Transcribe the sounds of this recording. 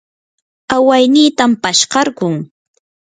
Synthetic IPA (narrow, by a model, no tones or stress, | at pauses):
awajniːt̪ampaʃɢɑɾkʊŋ